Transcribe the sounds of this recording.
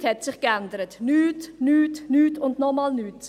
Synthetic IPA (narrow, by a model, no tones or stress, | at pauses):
thɛtsɪχkɛndəɾətnyːtnyːtnyːtʊndnɔmɑːlnyːt